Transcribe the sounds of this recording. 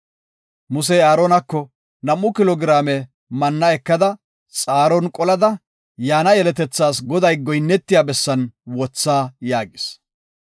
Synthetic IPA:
mʊsɛaːɾɔnɐkːɔ | nɐmːʊkɪlɔɡɪɾaːmɛ | mɐnːɐɛkːɐd̪ɐ | t͡sʼaːɾɔnkʼɔlɐd̪ɐ | jaːnɐjɛlɛt̪ɛt͡sːaːsɡɔd̪ɐjɡɔjnːɛt̪ːɪjaːbɛsːɐnwɔt͡sːaːjaːɡɪs

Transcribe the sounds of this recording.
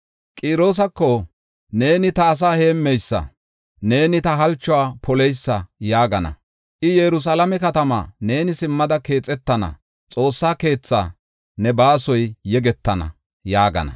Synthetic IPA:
kʼiːɾo̞ːs̬ɐkːɔ | ne̞ːnɪt̪ɐːs̬aːhe̞ːmːɛjsːɐ̰ | ne̞ːnɪt̪ɐɦɐlt͡ʃːʊwaːpɔlɛjsːɐjaːɡɐnɐ̰ | ʔɪjɛɾʊs̬aːlɐmɛkɐt̪ɐma̰ːne̞ːnɪsɪmːɐd̪ɐke̞ːt͡sʼːɛt̪ːɐnɐ̰ | t͡sʼo̞ːsːaːke̞ːt͡sːa̰ː | nɛbaːsɔjːɛɡɛt̪ːɐnɐ̰ | jaːɡɐ̰nɐ̰

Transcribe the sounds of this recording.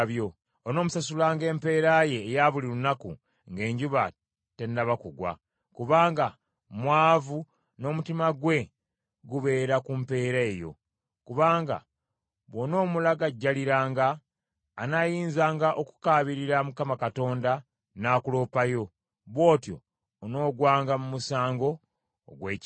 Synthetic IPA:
βjo̞ | ono̞ːmusasulaːŋɡe̞ːmpe̞ːɾaje̞ːjaβuliɾunakṵ | ŋɡe̞ːɲɟuβa̰ | te̞ndaβakuɡwa̰ | kuβaːŋɡa | mwaːvu | no̞ːmutimaɡwe̞ | ɡuβe̞ːɾakumpe̞ːɾae̞jo̞̰ | kuβaːŋɡa̰ | βwono̞ːmulaɡaɟːaliɾaːŋɡaː | najiːnzaːŋɡaʔoku̥kaːβiɾiɾamukamakato̞ːnda | naːkulo̞ːpajo̞ | βwo̞ːtjo̞̰ː | no̞ːɡwaːŋɡamumusaːŋɡo̞̰ː | ɡwe̞ːc

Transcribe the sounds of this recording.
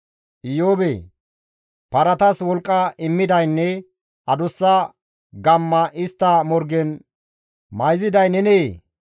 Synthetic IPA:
ʔɪjoːbeː | pɐɾɐt̪ɐswɔlkʼːɐʔɪmːɪd̪ɐjnːɛ | ʔɐd̪ʊsːɐ | ɡɐmːɐʔɪst̪ːɐmɔɾɡɛn | mɐjzɪd̪ɐjnɛneː

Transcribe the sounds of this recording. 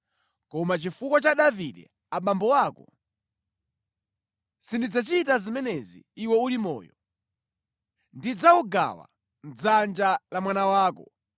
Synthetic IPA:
kɔmat͡ʃifukwat͡ʃaɗaviɗɛ̰ | aɓambɔwaːkɔ | sindid͡zat͡ʃitazimɛnɛzḭːwɔulimɔ̰ːjɔ | ndid͡zauɡa̰wa̰ | n̩d͡zand͡ʒalamwanawaːkɔ

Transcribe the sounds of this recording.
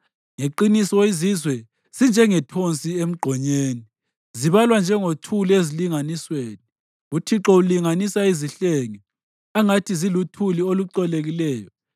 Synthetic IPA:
ŋeǃinisɔizizwɛ | z̥ind͡ʒʱɛŋɛtʰont͡sʼiem̩ɡ͡ǃʱɔɲeːni | ziβalwand͡ʒʱɛŋotʰuleziliŋanisweːni | utʰiǁɔuliŋanisaiziɬeŋi | aŋatʰizilutʰulioluǀɔleɣilɛːjɔ

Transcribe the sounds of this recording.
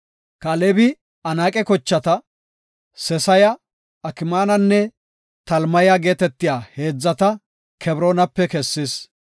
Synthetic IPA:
kɐlɛbɪ | ɐnaːkʼɛkɔt͡ʃːɐt̪ɐ | sɛsɐjɐ | ɐkɪmaːnɐnːɛ | t̪ɐlmɐjaɡe̞ːt̪ɛt̪ːɪjaːhe̞ːd͡zːɐt̪ɐ | kʰɛbɾoːnɐpːɛkɛsːɪs

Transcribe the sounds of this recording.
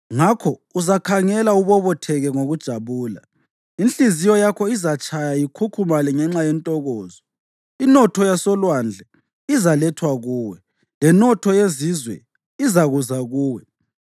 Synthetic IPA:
ŋakʰɔuzakʰaŋɛlauβɔβɔtʰɛɣɛŋoɣud̥ʒ̥ʱaβuːla̰ | inɬizijɔjakʰɔizat͡ʃʰʼajajikʰukʰumalɛŋɛŋ͡ǁajɛntʼɔɣɔːzɔ | inɔtʰɔjasɔlwand͡ɮʱɛ | izalɛtʰwaɣuːwɛ | lɛnɔtʰɔjezizwɛ̰ | izaɣuzaɣuːwɛ

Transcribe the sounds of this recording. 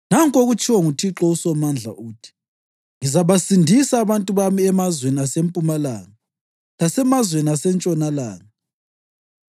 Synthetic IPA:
naŋkʼoɣut͡ʃʰʼiwɔŋutʰiǁɔusɔmand͡ɮʱa̰ʔuːtʰi̥ | ŋizaβasindʱisaːβantʼuβamiɛmazweniasempʼumala̰ːna | lasɛmazweniasɛnt͡ʃʼɔnala̰ːna

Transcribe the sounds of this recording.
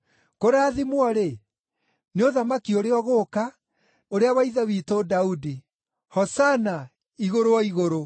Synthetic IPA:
koɾaːðimwɔɾe | neoðamakioɾeɔɣoːka | oɾeawaiðawiːtodaudi | hɔsana | iɣoɾoɔiɣoɾo

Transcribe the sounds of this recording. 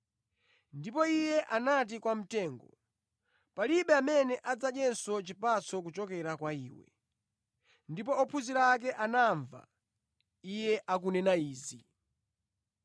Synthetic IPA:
ndipɔijɛʔanat̬ikwam̩tɛːŋɡɔ | paliɓɛamɛnɛʔad͡zaɗɛnsɔt͡ʃipat͡sʰɔk̬ut͡ʃɔkɛɾakwaḭːwɛ̰ | ndipɔɔpʰuziɾaːk̬ɛʔanaɱva̰ | ijɛʔak̬unɛnaiːzi

